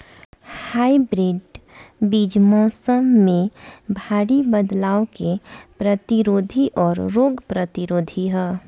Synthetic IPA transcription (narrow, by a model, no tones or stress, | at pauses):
haːibɾiɖbid͡ʒmɔːsəmːẽbʱaːɽibəd̪laːokepɾət̪iɾoːd̪ʱiʔɔːɾɾoːɡpɾət̪iɾoːd̪ʱiɦɛː